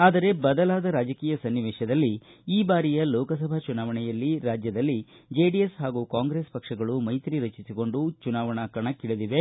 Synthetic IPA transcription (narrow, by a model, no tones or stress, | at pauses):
aːd̪ɐɾe̞bɐd̪ɐlaːd̪ɐɾaːd͡ʒɐkiːjɐsɐnːiʋɛːʃɐd̪ɐlːiiːbaːɾijɐlɔːkɐsɐbʱat͡ʃunaːʋɐɳɛjɐlːiɾaːd͡ʒjɐd̪ɐlːi | d͡ʒeːɖijesɦaːɡuːkaːŋɡɾespɐkʂɐɡɐɭumɐjt̪ɾiɾɐt͡ʃisiko̞ɳɖut͡ʃunaːʋɐɳɐkɐɳɐkːiɭed̪iʋe̞